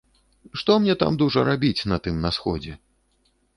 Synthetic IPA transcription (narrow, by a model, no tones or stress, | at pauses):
ʂt̪ɔmnʲɛt̪a̰md̪uʐɐɾabʲit͡sʲnɐt̪ɨmnɐsxɔd͡zʲɛ